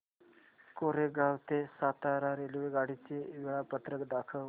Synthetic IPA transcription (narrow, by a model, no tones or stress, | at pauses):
koɾeɡʱawt̪esat̪aɾaɾelʋeɡaɽ̤it͡seʋiɭapət̪ɾəkd̪akʰəʋ